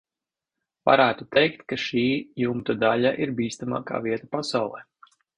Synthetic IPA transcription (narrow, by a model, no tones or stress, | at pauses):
va̰ɾæːt̪ut̪ɛjkt̪kaʃiːjumt̪ad̪aʎaʔiɾbiːst̪ama̰ːka̰ːviɛt̪apasawlˠɛ̰